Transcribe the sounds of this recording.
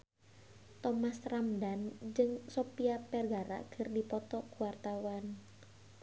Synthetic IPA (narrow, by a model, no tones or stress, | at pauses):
t̪ɔmasramdand͡ʒɨŋsɔpiapɛrɡaɾa̰kʰɨrdipɔt̪ɔkuwart̪awan